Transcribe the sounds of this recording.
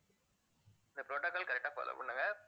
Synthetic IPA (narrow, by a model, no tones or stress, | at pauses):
ɪnd̪ɐpɾoːʈːɐkːɐlkɐɾɛk̚ʈːaːpo̰ːlo̰pɐ̰ɳːɯŋɡɐ